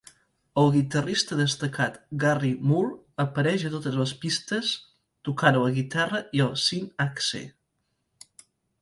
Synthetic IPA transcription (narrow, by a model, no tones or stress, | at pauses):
əlˠɣit̪ərist̪əðəst̪əkat̪ɡarimul | əpəɾɛʒət̪ot̪əzləspist̪əs | t̪ukanələɣit̪arəiəsinaksḛ